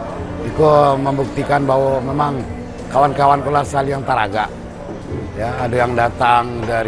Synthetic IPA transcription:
ikoməmbuk̚t̪ikanbawomemaŋ | kawankawankulahsəkalijaŋt̪aɾaɡaʔ | jaːdajaŋdat̪aŋdaɾ

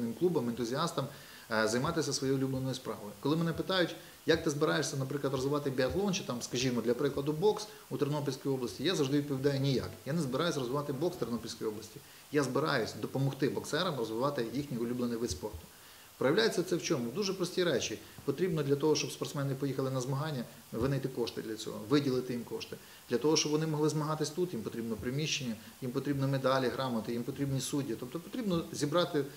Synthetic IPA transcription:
nɪmklˠubɐmɪnt̪ʊzʲiɑst̪ɐm | zɐjmɑt̪ɪsʲɐsʋɔjɔjʊlʲublˠenɔjʊspɾɑ̰ʋɔjʊkɔlˠɪmɛnɛpɪt̪ɑjʊtʲ | jɐk̚t̪ɪzbɪɾɑjeʂʲsʲɐnɐpɾɪklˠɐt̪ɾɔzʋɪʋɑt̪ɪbʲiɐt̪lˠɔnt͡ʃɪt̪ɑmskɐʒʲimɔd̪lʲɐpɾɪklˠɐd̪ʊbɔks | ut̪ernɔp̬ʲilʲsʲkɔjiɔblˠɐsʲtʲijazɐwʐʒd̪ɪʋʲid̪̚pɔʋʲd̪ɑjʊnʲija̰kjanɛzbɪɾɑjʊsʲɾɔzʋɪʋɑt̪ɪbɔkst̪ernɔpʲilʲsʲkɔjɔblˠɐsʲtʲi | jazbɪɾɑjʊsʲd̪ɔpɔmɔxt̪ɪbɔksɛɾɐmrɔzʋɪʋɑt̪ɪjixnʲiʊlʲublˠenijʋɪspɔrt̪ʊ̥ | pɾɔjɐʋlʲajet͡sʲːɐt̪sɛwt͡ʃɔmʊd̪uʒɛpɾɔsʲtʲiɾɛt͡ʃʲi | pɔt̪ɾʲibnɔd̪lʲɐt̪ɔɦɔʃt͡ʃɔbspɔrt̪smɛnɪpɔjixɐlˠɪnɐzmɐɦɑnʲːɐ | ʋɪnɐjt̪ɪkɔʃt̪ɪ̰d̪lʲɐt͡sʲɔ̰ɦɔ̰ʋɪdʲilˠɪt̪ɪjimkɔʃt̪ɪ | d̪lʲɐt̪ɔɦɔʃt͡ʃɔbʋɔnɪmɔɦlˠɪzmɐɦɑt̪ɪsʲt̪ut̪jimpɔt̪ʲɾibnɔpɾɪmʲiʃt͡ʃːenʲːɐ | jimpɔt̪ɾʲibnɔmed̪ɑlʲiɦɾɑmɐt̪ɪjimpɔt̪ɾʲibnʲisudʲːit̪ɔp̚t̪ɔpɔ̥t̪ɾʲibnɔzʲibɾɑt̪ɪ

